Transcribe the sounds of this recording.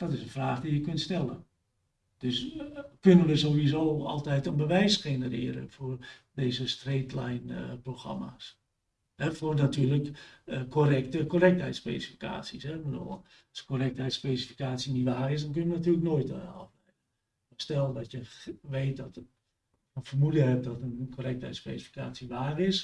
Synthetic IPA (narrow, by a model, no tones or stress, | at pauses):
d̥ɔtɪsənfraːχdijəkøntstɛlˠə̰n | d̥øskønənʋəzoːʋizoːɔ̰lˠtɛjtənbəʋɛjsxenərɪ̰ːəɾə̰foərdeːzəstreːtlɛjnəproxra̰ma̰s | hɛfornatyːrləkəkorɛk̚təkorɛk̚thɦɛjtspḛsifi̥ka̰ːsisɛʋədo̰ | lˠsəkorɛk̚thɛjtspeːsifi̥kaːt͡sjinitʋaːrɪs̬dɔnkønəʋənatyːlək̚noːjtɔflɛjdə | astɛlˠdɔtjəʋeːt̚dɔt | ənfərmuljəɦɛp̚dɔtənkʰorɛk̚thɛ̰jtspḛːsifi̥ka̰ːsjiʋaːrɪs